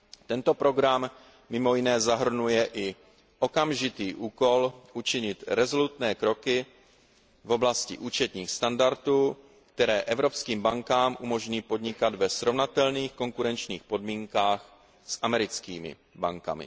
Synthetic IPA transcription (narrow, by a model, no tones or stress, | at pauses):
t̪ɛnt̪o̞pɾo̞ɡɾamː | ɪmo̞jɪnɛːzaɦr̩nujɛʔɪ | ʔo̞kamʒɪt̪iːʔuːko̞lʔut͡ʃɪɲɪt̪ɾɛzo̞lut̪nɛːkɾo̞kɪ | vo̞blascɪ̰ʔuːt͡ʃɛt̪ɲiːxst̪andaɾt̪uː | kt̪ɛɾɛːʔɛvɾo̞pskiːmbaŋkaːmʔumo̞ʒɲiːpo̞d̪ɲɪkad̪vɛsɾo̞vnat̪ɛlniːxko̞ŋkuɾɛnt͡ʃɲiːxpo̞dmiːŋkaːx | sʔamɛɾɪt͡skiːmɪ̰ | baŋka̰mɪ̰